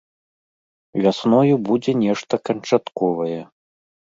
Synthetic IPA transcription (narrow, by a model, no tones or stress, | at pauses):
vʲasnɔjubud͡zʲɛnʲɛʂt̪ɐkɐnt͡ʂat̪kɔvɐjɛ